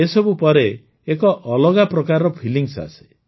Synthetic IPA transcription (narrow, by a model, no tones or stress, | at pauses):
esɔbupɔɾe | ekɔʔɔlɔɡapɾɔkaɾɔpʰiliŋsa̰se̥